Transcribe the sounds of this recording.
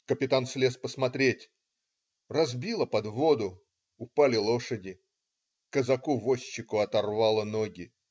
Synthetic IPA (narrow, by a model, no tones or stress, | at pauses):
kəpʲɪt̪ansʲlʲe̞spəsmɐt̪ɾʲetʲ | rɐzbʲilˠəpɐd̪vo̞d̪ʊ | ʊpalʲɪlˠo̞ʂədʲɪ | kəzɐkuvosʲt͡ɕːɪkʊɐt̪ɐrvalˠənoɡʲɪ